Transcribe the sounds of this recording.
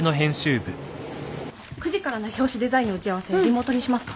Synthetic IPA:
no̞ɦẽ̞ɰ̃ɕɨːbɯ̟ | kɯ̟ʑikaɾanoçʲo̞ːɕid̪e̞zaĩɲo̞t͡ɕiaβ̞ase̞ɾʲimo̞ːt̪oɲ̟iɕimasɨ̥kḁ

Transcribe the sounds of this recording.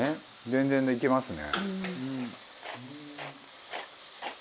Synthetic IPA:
e | d͡zẽ̞nd͡zẽnd̪eikʲemasɨnḛɯ̃

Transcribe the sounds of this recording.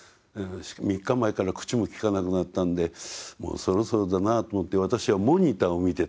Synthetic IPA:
ɯ̃ɕmʲikːamaekaɾakɯ̥t͡ɕimo̞kʲi̥kanakɯ̟nat̪ːãnd̪e̞mo̰ːso̞ɾo̞so̞ɾod̪anat̪omo̞t̪ːe̞βat̪aɕiβamo̞ɲ̟it̪aomʲit̪e̞

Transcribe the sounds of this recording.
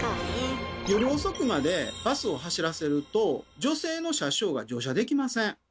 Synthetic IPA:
jo̞ɾʲio̞so̞kɯ̟mad̪e̞b̥asɨo̞ɦaɕiɾase̞ɾɯ̟t̪o̞d͡ʑo̞se̞ːno̞ɕaɕo̞ːɡa̰d͡ʑo̞ːɕ̬ad̪e̞kʲimasẽŋ

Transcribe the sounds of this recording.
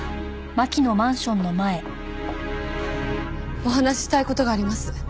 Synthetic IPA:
makʲino̞mãɰ̃ɕõ̞nːo̞mae̞ | o̞ɦanaɕi̥ɕi̥t̪aiko̞t̪o̞ɡaːɾʲimasɨ̥

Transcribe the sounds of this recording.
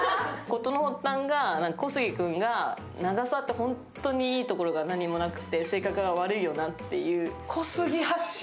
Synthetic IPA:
ko̞t̪o̞nohot̪ːãŋɡanãŋkako̞sɨɡʲikɯ̟̃ŋɡa | naɡasat̪ːe̞hõ̞ntt̪ːo̞ɲ̟iiːt̪o̞ko̞ɾo̞ɡanaɲ̟imo̞nakɯ̟̥t̪ːe̞se̞ːkakɯ̟ɡaβ̞aɾɯ̟ijo̞nat̪ːe̞̰jɯ̟ːkʰo̞sɨɡʲihaɕ

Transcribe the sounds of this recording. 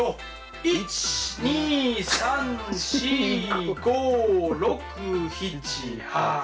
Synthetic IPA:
o | it͡ɕi̥ɲiːsãnɕiɡoːɾokɯçit͡ɕiha

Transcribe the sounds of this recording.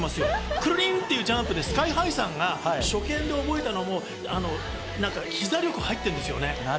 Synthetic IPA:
masɨjokɯ̟ɾɯ̟ɾʲĩnt̪ːe̞jiɯ̟ːd͡ʑãmpɯ̟d̪e̞sɨ̥kaiɦaisãŋɡaɕo̞kẽ̞nd̪e̞o̞bo̞e̞t̪ano̞mo̞ | ano̞ | nãŋkaçʲizaɾʲjo̞kɯ̟hait̪ːẽnd̪e̞sɨjo̞̰ne̞

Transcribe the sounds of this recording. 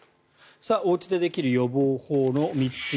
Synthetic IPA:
sao̞ːt͡ɕi̥d̪e̞d̪e̞kʲiɾɯ̟jo̞boːho̞ːno̞mʲitt͡s

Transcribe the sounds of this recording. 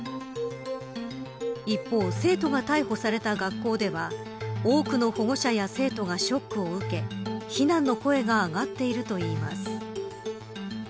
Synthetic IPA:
ipːo̞ːse̞ːt̪o̞ɡat̪aiho̞saɾe̞t̪aɡakːo̞ːd̪e̞βa | oːkɯ̟no̞ho̞ɡo̞ɕajase̞ːt̪o̞ɡaɕo̞kːɯ̟o̞ɯ̟ke̞çinãnːo̞ko̞e̞ɡaːɡat̪ːe̞iɾɯ̟t̪o̞iːma̰sɨ̥

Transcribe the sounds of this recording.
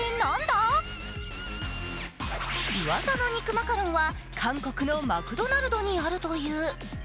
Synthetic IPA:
enand̪a | iβasano̞ɲ̟ikɯ̟makaɾõɰ̃βa | kʰãŋko̞kɯ̟no̞makɯ̟d̪o̞naɾɯ̟d̪o̞ɲ̟iaɾɯ̟t̪o̞jɯ̟ː

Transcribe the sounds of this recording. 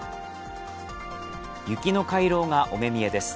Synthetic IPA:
jɯ̟kʲino̞kaiɾo̞ːŋaʔo̞me̞mʲie̞d̪e̞sɨ̥

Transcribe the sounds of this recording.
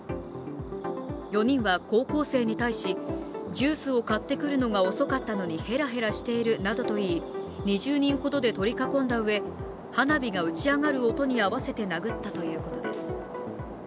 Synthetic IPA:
jo̞ɲ̟ĩɰ̃βako̞ːko̞ːse̞ːɲ̟it̪aiɕid͡ʑɨːsɨo̞kat̪ːe̞kɯ̟ɾɯ̟no̞ɡao̞so̞kat̪ːano̞ɲ̟ihe̞ɾaɦe̞ɾaɕi̥t̪e̞iɾɯ̟nad̪o̞t̪o̞iːɲ̟iʑɨːɲ̟ĩɰ̃ho̞d̪o̞d̪e̞t̪o̞ɾʲikakõ̞nd̪aɯ̟e̞ | hanabʲiɡaɯ̟t͡ɕiaŋaɾɯ̟o̞t̪o̞ɲ̟iaβase̞t̪e̞naɡɯ̟t̪ːat̪o̞jɯ̟ːko̞t̪o̞d̪e̞̰sɨ̥

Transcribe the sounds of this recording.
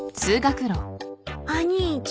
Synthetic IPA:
t͡sɨːɡakɯ̟ɾõaɲʲit͡ɕ

